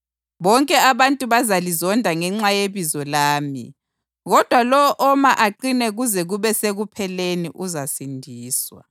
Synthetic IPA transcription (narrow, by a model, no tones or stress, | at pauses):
βɔŋkʼɛaβantʼuβazalizɔndʱaŋɛŋ͡ǁajeβizɔlaːmḭ | ɣɔd̥ʱwalɔʔɔmaʔaǃinɛɣuzɛɣuβɛseɣupʰɛleniʔuzasindʱiːswa̰